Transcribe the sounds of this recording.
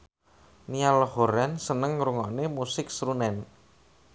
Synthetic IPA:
nialhoɾɛnsənəŋɾuŋɔnemusɪk̚sɾunɛn

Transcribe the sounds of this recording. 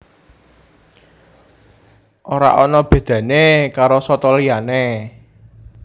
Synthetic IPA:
ʔoɾa̰ʔɔnɔb̥ë̤d̪̥ä̤nekaɾosɔt̪ɔliane

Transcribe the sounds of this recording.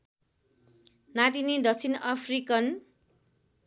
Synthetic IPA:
nat̪inid̪ʌk̚t͡sʰinʌpʰrikʌn

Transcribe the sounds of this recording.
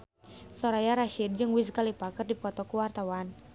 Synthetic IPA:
sɔɾajaɾaʃid̚d͡ʒɨŋwis̬kalipakɨrdipɔt̪ɔkuwart̪awan

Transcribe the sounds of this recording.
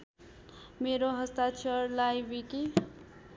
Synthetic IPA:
meɾoɦəst̪at͡ʃʰʌɾlajbiki

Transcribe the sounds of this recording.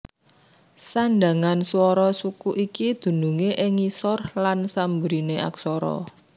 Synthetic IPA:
sanɖa̤ŋanswɔɾɔsukuʔikid̪̥ṳnuŋeʔɪŋisɔrlansambɾineʔa̰ksɔɾɔ̰

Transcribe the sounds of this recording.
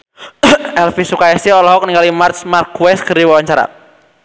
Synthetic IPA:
ɛlfisukaɛsiɔlɔɦɔk̚niŋɡalimarsmarkwɛskəɾiwawaɲt͡ʃaɾa̰

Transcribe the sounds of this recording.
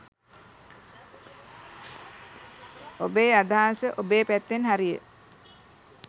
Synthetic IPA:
obeːad̪ʱaːnsəʔobeːpæt̪ːenɦaɾijə̰

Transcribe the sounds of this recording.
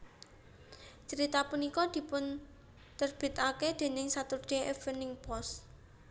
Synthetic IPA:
t͡ʃəɾit̪apunikɔd̪̥i̤pʊn | t̪ərb̥i̤t̪aked̪̥e̤nɪŋsat̪ʊrd̪̥e̤ʔɛfənɪŋpɔs

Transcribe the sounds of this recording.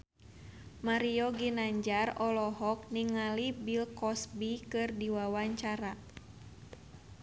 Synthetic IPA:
maɾiɔɡinaɲd͡ʒarɔlɔɦɔk̚niŋalibilkɔsbikɨrdiwawaɲt͡ʃaɾa

